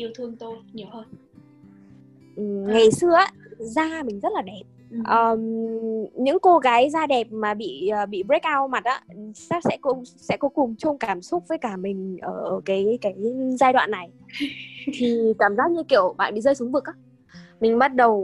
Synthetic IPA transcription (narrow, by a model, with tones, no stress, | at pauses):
ʔi˧əwt̪ʰɨ˧əŋt̪o˧jɲə˨˦hə˧ | ʔɨ˨˩ŋa˨˩jsɨ˧əʔaː˨˦zaː˧mï˨˩ŋ̟zə˦˥t̚laː˨˩ɗɛ˨˩p̚ | ʔəː˨˩m | ɲɨ̰˧˥ŋko˧ɣaː˨˦jzaː˧ɗɛ˨˩p̚maː˨˩ɓḭ˧˨əː˨˩ɓḭ˧˨bɹk̚ʔaː˧wma˨˩t̚ʔa̰ː˨˧˦sa˦˥sɛ̰˧˥kʊ̰˧˥ŋ͡msɛ̰˧˥kɔ˨˦kʊ˨˩ŋ͡mt͡ɕʊ˧ŋ͡mkaː˧˩msʊ˦˥t̚vəː˨˦jkaː˧˩mï˨˩ŋ̟ʔəː˧˩ʔəː˧˩kaː˨˦jkaː˨˦jzaː˧jɗwa̰ː˧˨nːa˨˩j | t̪ʰi˨˩kaː˧˩mzaː˦˥k̚ɲ˧kḭ˧˨əwɓa̰ː˧˨nɓḭ˧˨zəː˧jsʊ˨˦ŋ͡mvɨ˨˩k̚ʔaː˨˦ | mï˨˩ŋ̟ɓa˦˥t̚ɗə˨˩w